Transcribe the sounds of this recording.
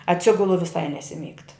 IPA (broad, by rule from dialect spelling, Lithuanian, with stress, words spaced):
ɐtʲˈsʲɪɡʊlˠʊ ʋʲɪˈsɐɪ nʲɛsʲɪˈmʲiːkt